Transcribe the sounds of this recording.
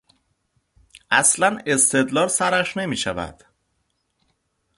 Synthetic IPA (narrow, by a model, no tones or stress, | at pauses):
ʔæslæne̞st̪ʰe̞d̪lɒːlsæɾæʃne̞miːʃævæ̰d̪̥